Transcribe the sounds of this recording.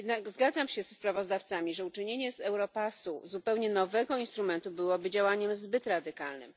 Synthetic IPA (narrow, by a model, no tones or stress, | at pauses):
jɛd̪naɡzɡad̪zamɕɛzɛspɾavɔzd̪aft̪samʲiʐɛut͡ʂɘɲeɲɛzɛwɾɔpasṵzupɛwɲɛnɔvɛɡɔinst̪ɾumɛnt̪ubɘwɔbɘd͡ʑawaɲɛmzbɘt̪ɾad̪ɘkalnɘ̰m